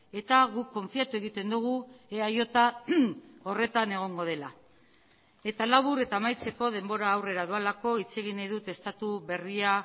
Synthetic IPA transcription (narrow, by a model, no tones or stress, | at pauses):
e̞t̪aɣukːo̞ɱfiat̪ue̞ɣit̪e̞nd̪uɣ̞ueajo̞t̪a | o̞re̞t̪ane̞ɣ̞o̞ŋɡo̞ð̞e̞la | e̞t̪alaβ̞uɾe̞t̪aːmajt͡se̞ko̞ð̞e̞mbo̞ɾaːwre̞ɾaðualako̞it͡se̞ɣinajðut̪e̞st̪at̪uβe̞ria